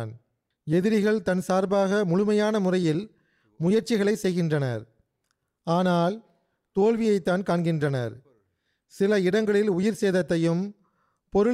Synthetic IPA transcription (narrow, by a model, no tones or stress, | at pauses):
n | ɛðɪɾɪɣɐɭt̪ɐnsaːɾbaːɣɐmʊɻʊmɐjaːnɐmʊrɐjɪl | mʊjɐɾt͡ʃɪɣɐɭɐɪsɛjɣɪndrɐnɐ̰ɾ | aːnaːl | t̪oːlʋɪjɐɪt̪ːaːnkaːɳɡɪndrɐnɐ̰ɾ | sɪlɐɪɽɐŋɡɐɭɪlʊjɪɾseːðɐt̪ːɐjɯm | pɔɾɯ